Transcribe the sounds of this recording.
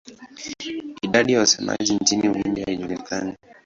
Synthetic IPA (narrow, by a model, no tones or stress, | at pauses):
iɗaɗijausɛma̰ʄint͡ʃiniuwimbihahiʄulikʰani